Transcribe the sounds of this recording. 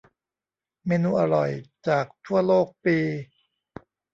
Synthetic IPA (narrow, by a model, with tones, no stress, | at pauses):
meː˧nuː˧ʔa˧ɾɔ˨˩jt͡ɕaː˨˩k̚t̪ʰu˥˩ɐloː˥˩k̚piː˧